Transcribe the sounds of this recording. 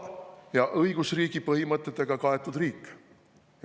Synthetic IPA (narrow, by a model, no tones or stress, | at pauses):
jɑʔɤjɡ̥usriːɡ̥ipɤɦimɤt̪ːˑet̪ːˑeɡ̥ɑkɑe̞t̪ːˑud̪riːkːˑ